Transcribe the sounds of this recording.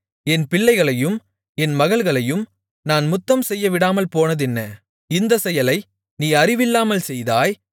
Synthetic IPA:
ɛnpɪɭːɐɪɣɐɭɐjɯm | ɛnmɐɣɐɭɣɐɭɐjɯm | naːnmʊt̪ːɐmsɛjːɐʋɪɽaːmɐlpoːnɐðɛnːɐ | ɪnd̪ɐsɛjɐlɐɪ | niːɐrɪʋɪlːaːmɐlsɛjðaːj

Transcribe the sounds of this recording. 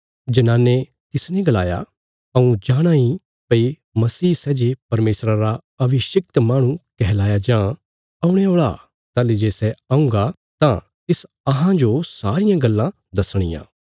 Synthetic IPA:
d͡ʒɐnaːnːe | t̪ɪsnɛ̃ɡɐla̰ːja̰ | ɐũd͡ʒaːɽ̃ãi | pɐi | mɐsiːsɛːd͡ʒepɐɾmeːsɾaɾa | ɐbʱɪʃɐk̚t̪mãːɽ̃ũkɛɦlaːjad͡ʒãː | ɐũɽ̃eoːɭa̰ | t̪aːled͡ʒeːsɛaũŋɡa | t̪ã | t̪ɪs | ɐɦãd͡ʒosaːɾɪjãɡɐlːã | d̪ɐsɽ̃ɪ̰jã̰ː

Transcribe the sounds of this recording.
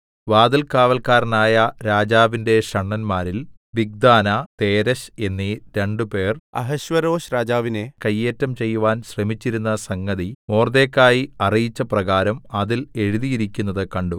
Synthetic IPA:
ʋaːd̪ɐlkaːʋɐlkaːɾnaːjɐɾaːd͡ʑaːʋinde̞ɕɐɳːɐnmaːɾil | ʋiɡ̚d̪aːnɐt̪e̞ːɾɐɕe̞nːiɾe̞ɳɖɨpe̞ːrɐ̰ɦɐɕʋɐɾoːɕɾaːd͡ʑaːʋinekɐjːeːtːɐmt͡ɕe̞jːuʋaːnɕremit͡ɕːiɾunːɐsɐŋːɐðimoːrd̪e̞ːkːaːjiɐrijit͡ɕːɐprɐɣaːɾɐmɐðile̞ɻuðijiɾikʲːunːɐðɨkɐɳɖu

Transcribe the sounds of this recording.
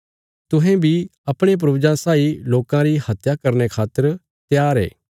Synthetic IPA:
t̪ʊɦẽbʱiɐpɽ̃ep̬ɾɐbɪd͡ʒãsaːiloːkãɾihɐt̪jakɐɾnekʰaːt̪ːəɾ | t̪jaːɾḛː

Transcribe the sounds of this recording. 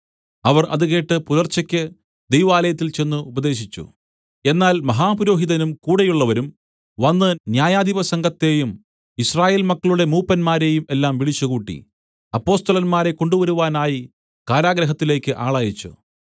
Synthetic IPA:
ɐʋɐrʔɐ̰ðɨɣe̞ːʈːɨpuðɐrt͡ɕːɐkʲːɨ | d̪ejʋaːlɐjɐt̪ːilt͡ɕe̞nːuubɐd̪e̞ːɕit͡ɕːṵ | e̞nːaːlmɐɦaːpɐɾo̞ːɦiðɐnumkuːɽɐjuɭːɐʋɐɾum | ʋɐnːɨnjaːjaːd̪iʋɐsɐŋɡɐt̪ːe̞ːjum | israːje̞ːlmɐkːɐɭuɽe̞muːpːɐnmaːɾe̞ːjumelːaːmʋiɭit͡ɕːuɣuːʈːḭ | ɐpːo̞ːst̪ɐlɐnmaːɾe̞ko̞ɳɖuʋɐɾuʋaːnaːji | kaːɾaːɡɾɐɦɐt̪ːile̞ːkʲːɨʔaːɭaːjit͡ɕːṵ

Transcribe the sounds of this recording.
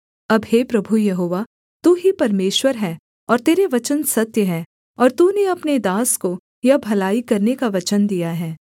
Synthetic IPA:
ɐbɦeːpɾɐbʱujɐɦoːʋa | t̪uːɦipɐɾmeːʃwəɾɦɛː | ɔːɾt̪eːɾeʋɐt͡ʃənsɐt̪jəɦɛː | ɔːɾt̪uːneɐpned̪aːsko | jɐbʱɐlaːikɐɾnekaʋɐt͡ʃənd̪ijaɦɛː

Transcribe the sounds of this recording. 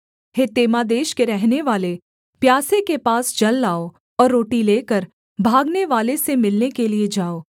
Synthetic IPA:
het̪eːmad̪eːʃkeɾɛɦneʋaːle | pjaːsekepaːsd͡ʒɐlːaːo | ɔːɾːoːʈileːkəɾ | bʱaːɡneʋaːlesemɪlnekelied͡ʒaːoː

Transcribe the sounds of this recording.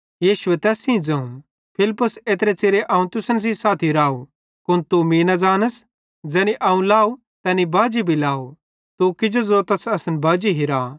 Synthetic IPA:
jiːʃʊet̪ɛːsĩd͡zɐũ | pʰɪlɪpːʊseːt̪ɾet͡seːɾeʔaːũt̪ʊsəns̬isaːt̪ʰiɾaːu | kʊnt̪umiːnad͡zaːnəs | d͡zɛːniʔaːũlaːu | t̪ɛːnibaːd͡ʒibʱilaːu | t̪ukɪd͡ʒozoːt̪ɐsɐsənbaːd͡ʒiɦiɾaː

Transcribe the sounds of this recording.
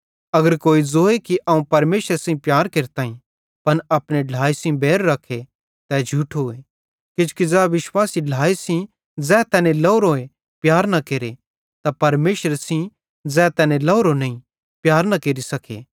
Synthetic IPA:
ɐɡəɾkoːid͡zoːekiʔɐũpɐɾmeːʃəɾsĩpjaːɾkeːɾt̪aːĩ | pɐnɐpñẽɖʱaːisĩbeːɾːɐkʰːe | t̪ɛd͡ʒʱuʈʰoːe | kɪd͡ʒkid͡zɛːʋɪʃwaːsiɖʱaːisĩ | d͡zɛːt̪ɛːnẽlɐʊɾoːe | pjaːɾnɐkeːɾe | t̪apɐɾmeːʃəɾsĩ | d͡zɛːt̪ɛːnẽlɐːɾonɐĩ | pjaːɾnɐkeːɾisɐkʰḛ

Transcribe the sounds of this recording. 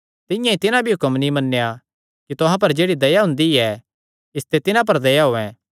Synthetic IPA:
t̪ɪjãĩt̪ɪnãbʱiɦʊkəmnĩmɐnːeja | kit̪ʊɦãp̬ɐɾd͡ʒeːɽid̪ɐjaɦʊ̃nd̪iɛ | ɪst̪et̪ɪnãp̬ɐɾd̪ɐjaɦoːɛ̃

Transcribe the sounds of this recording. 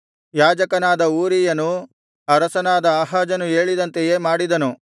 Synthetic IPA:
jaːd͡ʒɐkɐnaːd̪ɐuːɾijɐnu | ɐɾɐsɐnaːd̪ɐɐɦaːd͡ʒɐnue̞ːɭid̪ɐnt̪eje̞ːmaːɽid̪ɐnu

